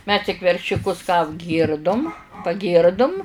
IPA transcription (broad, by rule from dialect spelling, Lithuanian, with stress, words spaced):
mʲɛs tʲɪk ʋʲɛrʲʃʲʊˈkʊs kɑː ɐbʲˈɡʲiːrdʊm pɐˈɡʲiːrdʊm